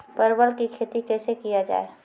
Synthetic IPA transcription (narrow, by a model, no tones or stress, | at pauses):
pəɾbəlkikʰeːt̪ikɛːsekijad͡ʒa̰ːe